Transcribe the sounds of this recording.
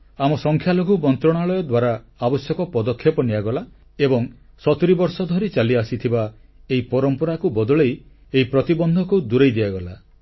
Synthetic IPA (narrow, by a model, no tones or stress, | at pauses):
amɔsɔŋkʰjaloɡumɔnt̪ɾɔɽ̃aɭɔjɔd̪waɾaabɔsjɔkɔpɔd̪ɔkʰjɔpɔniaɡɔla | ebɔŋ | sɔt̪uɾibɔɾsɔd̪ʱɔɾit͡ʃaliasit̪ʰiba | eipɔɾɔmpɔɾakubɔd̪ɔɭej | eipɾɔt̪ibɔnd̪ʱɔkud̪uɾejd̪iaɡɔla